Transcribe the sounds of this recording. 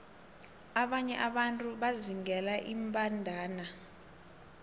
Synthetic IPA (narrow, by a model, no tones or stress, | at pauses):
aɓaɲɛʔaɓantʼuɓaziŋɛlaʔimpʼandʱaːna